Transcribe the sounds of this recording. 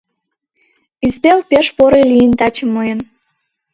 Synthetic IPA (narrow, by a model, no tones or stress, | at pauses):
yzd̪ewpeʃpoɾelʲijənt̪ɑt͡ɕə̆mːojən